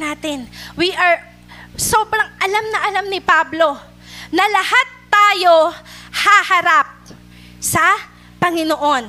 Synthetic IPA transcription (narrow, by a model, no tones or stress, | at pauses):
aːt̪ɪnwiʔɐɹ | soːbɾɐŋʔɐlamnɐʔɐlamnɪpablo̞ | nɐlɐhat̪ːaːjo̞hahɐɾap̚ | sɐ | pɐŋɪnoʔo̞n